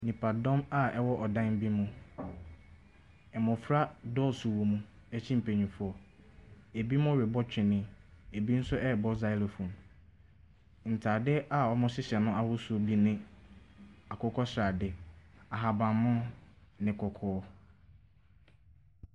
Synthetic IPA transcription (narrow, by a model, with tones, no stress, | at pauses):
nĩ˨pʰa˨dɔ̃˦ma˦ɛ˦wɔ˦ʔɔ˨dã˦nm˦bi˦mũ˦ | ɛ˨mʊ̃˨fɾa˦dɔ˦˨sʊ˨wo˨mũ˦ | ɛ˦t͡ɕʰĩ˦m̩˨pʰe˨ɲĩ˨fʊ˦ɔ˨ | e˨bi˦mʊ̃˦ɾɪ˨bɔ˦t͡ɕᶣɪ˨nɪ̃˦e˨bi˦n̩˦sʊ˦ʔɛ˦˨bɔ˦za˨ɪ˦lo˨fũ˨m | n̩˨tʰaː˨dɪ˦a˨ɔ˦mʊ̃˦sɪ˦ɕɛ˨nʊ̃˦a˦hʊ˦sʊ˦bi˦nɪ̃˦ | a˨kʰɔ˦kʰɔ˦sɾa˨dɪ˦a˨ɦa˨bã˨mːʊ̃˦nɪ̃˨kʰɔ˨kʰɔː˦